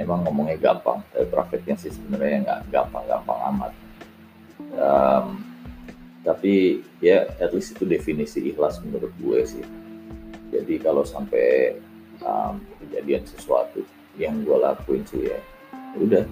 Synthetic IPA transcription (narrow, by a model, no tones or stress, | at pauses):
memaŋːomoŋɲaɡa̰mpa̰ŋt̪apipɾafɛt̪̚jaŋsɪhsəbənarɲaaŋɡa̰ʔɡampaŋɡa̰mpaŋa̰ma̰t̪̚ | əm | t̪api | jaɛt̪lɪsit̪udefinisiːhlasmənuɾʊt̪̚ɡuɛ̰sɪh | d͡ʒa̰dikalowsampɛ | ə̰mkəd͡ʒadiansəsua̰t̪u | jaŋɡualakuɪnsṵja̰ | udah